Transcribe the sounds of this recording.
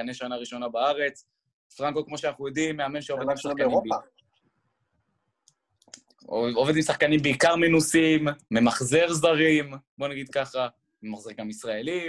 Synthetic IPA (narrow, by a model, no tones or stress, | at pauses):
aneʃanaʁiʃo̞nabaaʁe̞t͡s | fʁanko̞kmo̞ʃeanaχnujod̪imːeamenʃeovdimsakanib | oved̪imsaχkanimbeikaʁminusimːemaχzeʁzdaʁimbo̞naɡid̪̚kaχa | memaχzeʁɡamisʁae̞li